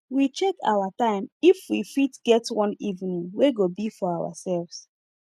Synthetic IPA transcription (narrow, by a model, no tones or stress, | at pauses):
wit͡ʃɛkʰa̰watãɪ̃mifwifitɡ̥ɛtwʌ̃nivnĩŋweɡobifɔawa̰sɛlvs